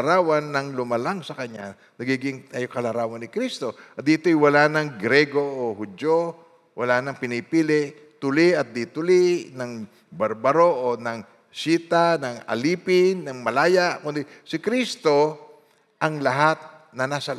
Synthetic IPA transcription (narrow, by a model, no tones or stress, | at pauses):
ɾaːwɐnːɐŋlʊmɐlaŋsɐkɐɲːa | nɐɡiːɡɪŋt̪aːjokɐlɐɾaːwɐnɪkɾist̪o̞ʔɐt̪d̪iːt̪oʔɪjwɐlanɐŋɡɾɛɡoʔohʊd͡ʒo | wɐlanɐŋpɪnipiːlɪʔ | t̪ʊlɪʔɐt̪̚d̪it̪ʊlɪnɐŋ | bɐɾbɐɾoʔonɐŋ | siːt̪anɐŋɐ̰liːpɪnːɐŋmɐlaːjaʔkʊnd̪ɪsɪkɾist̪o̞ | ʔɐŋlɐɦat̪̚nɐnasɐl